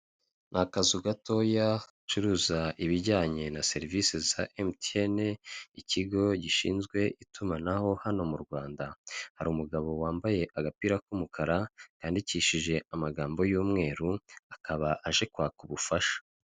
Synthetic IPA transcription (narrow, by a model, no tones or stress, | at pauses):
nʔakazuɡato̞ja | t͡ʃuɾuːzaʔiβiɾɟaːɲe̞nase̞ɾivisezaʔemteneiciɡo̞ɟiʃḭːnzɡwe̞ʔitumanaho̞hano̞muɾɡwaːndahaɾuːmuɡaβo̞waːmbaje̞ʔaɡapiːɾakumukʰaɾakaːndiciʃiʒe̞amaɡaːmbo̞juːmŋe̞ːɾuakaβaʔaʒe̞kwaːkuβufaʃḁ